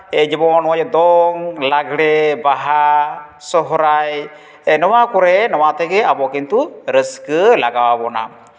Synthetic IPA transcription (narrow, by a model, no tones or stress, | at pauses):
ɛd͡ʒɛbɔnɔwad͡ʒɛd̪ɔŋlaɡɽɛbaɦa | sɔɦɾaj | ɛnɔwakɔɾɛnɔwat̪ɛɡɛabɔkint̪uɾəskəlaɡawabɔna̰